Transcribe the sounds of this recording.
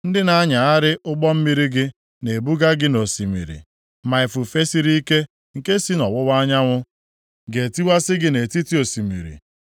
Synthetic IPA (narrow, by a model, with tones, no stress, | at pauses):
n̩˦dɪ˦na˦ɲa˨a˦ɾɪ˦ʔʊ˦ɡ͡bɔ˦m̩˦mi˦ɾi˦ɡɪ˦ | ne˨bu˦ɡa˦ɡɪ˦no˨si˨mḭ˨ɾḭ˨ | ma˨ɪ˨fu˨fe˦si˦ɾi˦i˦ke˦ | ŋ̩˨ke˦si˦nɔ˨wʊ˦wa˦ɲa˦ŋʷʊ˦ | ɡe˨ti˦wa˦sɪ˦ɡɪ˦ne˨ti˦ti˦o˨si˨mḭ˨ɾḭ˨